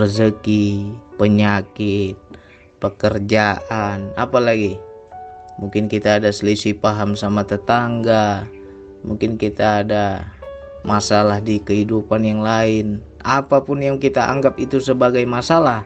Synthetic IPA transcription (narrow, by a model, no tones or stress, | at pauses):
ərzəkipəɲakɪt̪̚ | pəkərd͡ʒaʔanapalaɡi | muŋkɪnkit̪aːdasəlisipaɦamsamat̪ət̪aŋɡa | muŋkɪnkit̪aːda | masalahdikəɦidupanjaŋlaɪn | apapʊnjaŋkit̪aʔa̰ŋɡap̚it̪usəbaɡajmasalah